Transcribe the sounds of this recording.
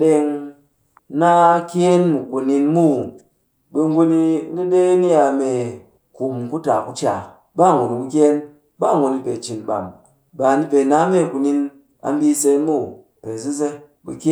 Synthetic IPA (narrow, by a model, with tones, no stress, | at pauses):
ɗe˧ŋ | na˦kʲe˦nmu˨ku˨ni˧nmu˦˨ | bɨ˧ŋ˦ɡu˧ni˧˦di˦de˦ni˦ja˧me˨ | ku˨mku˦ta˨ku˦t͡ʃa˨ | ba˦˨ŋɡʷu˨ni˨ku˧k̬ʲe˦n | ba˦˨ŋɡu˧ni˧pe˨t͡ʃi˨nɓa̰˨m | ba˨ni˧pe˨na˦me˦˨ku˨ni˧n | a̰˨˧m˦bi˧se˧˦mu˦˨ | pe˨zi˦ze˧ | bḭ˧kʲe˦